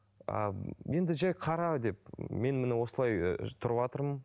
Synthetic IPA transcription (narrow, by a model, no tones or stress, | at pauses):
ə̰je̞nd̪ɪʒæjqʰɑɾɑd̪e̞p̚me̞nmɪnɪwo̞səlˠɑj̰t̪ʰʊɾəpɑt̪əɾmən